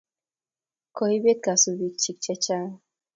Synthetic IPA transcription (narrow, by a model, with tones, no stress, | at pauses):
kɔ˨hi˦be˦t̪̚ka˨su˨bi˨k̚t͡ʃi˨k̚t͡ʃɛ˦t͡ʃa˦˨